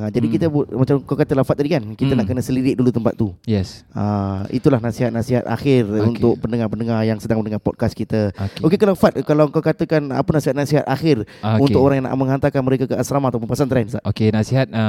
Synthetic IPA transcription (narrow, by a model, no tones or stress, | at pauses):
ad͡ʒadikit̪əbut̪̚mat͡ʃamkawkat̪əlahfat̪̚ːadikankit̪ənaʔkənəsəliɾɪʔ̪̚dulut̪əmpa̰t̪̚ːujɛsəḭt̪ulahnasiɦat̪̚nasiɦat̪̚a̰xɪrunt̪ʊk̚pəndəŋarpəndəŋarjaŋsədaŋməndəŋapɔd̚kaskit̪əokekalawfat̪̚kalawkawkat̪əkana̰pənasiɦat̪̚nasiɦat̪axɪrunʊkoɾaŋjaŋna̰ʔmə̃ŋɦant̪akanməɾekakəasɾamaat̪awpəmpuasant̪ɾajnsaʔokenasiɦat̪̚